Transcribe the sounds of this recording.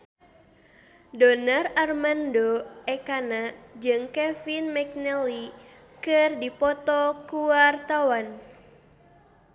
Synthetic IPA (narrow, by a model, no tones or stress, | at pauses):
dɔnararmandoɛkanad͡ʒɨŋkɛfinmɛk̚nɛli | kɨrdipɔt̪ɔkuwart̪awan